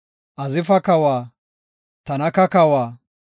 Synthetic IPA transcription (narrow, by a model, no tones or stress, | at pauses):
ʔɐzɪfɐkɐwaː | t̪ɐnɐkɐkɐwaː